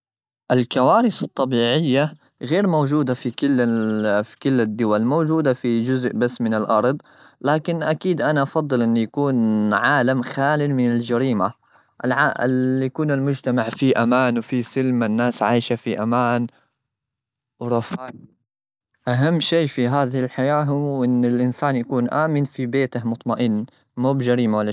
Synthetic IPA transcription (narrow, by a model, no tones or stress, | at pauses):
ʔɪlkawaːɾɪθɑt̪ˤːɑbiːʕɪjːa | ɣeːɾmowd͡ʒuːd̪afikɪlːfi̥kɪlːɪd̪ːʊwalmowd͡ʒuːd̪afid͡ʒʊzʔbasːmɪnɪlʔɑɾˤd̪ˤ | laːkɪnʔakiːd̪ʔanaʔɑfɑd̪ˤːɨlʔɪnːjakuːnʕaːlamxaːlɪlmɪnɪld͡ʒaɾiːma | ʔɪlʕaʔɪlːijakuːnɪlmʊd͡ʒt̪amaʕfiʔamaːnwfisɪlmanːaːsʕaːjʃafiʔamaːn | wɾˤɑfaːʔ | ʔaɦamːʃiːfiɦaːðɪhɪlħajaːɦuʔɪnːɪlʔɪnsaːnjakuːnʔaːmɪnfibeːt̪ahmʊt̪ˤmaʔɪnː | muːbɪd͡ʒaɾiːmawalːa